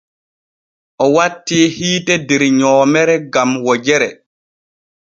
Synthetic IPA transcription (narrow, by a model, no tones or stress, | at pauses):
ʔɔwatːiːhiːtɛdɛɾɲɔːmɛɾɛɡamwɔd͡ʒɛɾɛ